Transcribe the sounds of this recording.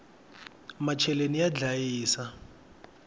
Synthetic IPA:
mat͡ʃʰɛlenijad͡ɮajiːsa

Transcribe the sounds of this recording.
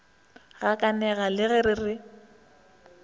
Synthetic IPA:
ɣakʼanɛɣalɪɣɛɾɪrɪ

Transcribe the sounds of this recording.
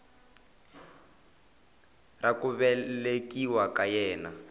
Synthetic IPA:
rakuβɛlekiwakajɛːna

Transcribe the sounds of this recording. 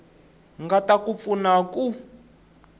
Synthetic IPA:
ŋɡatakup̪funaku

